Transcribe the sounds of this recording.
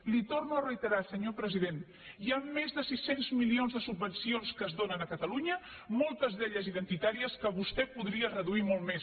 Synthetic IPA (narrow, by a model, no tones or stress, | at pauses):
lit̪ornuərəit̪əɾasəɲopɾəzið̞en | iaːezðəsisenzmilionzðəsubːənsionskəːzðonənəkət̪əluɲə | molˠt̪əzðɛʎəziðənt̪it̪aɾiəskəβust̪ɛpuðɾiərəðuimɔlˠt̪mes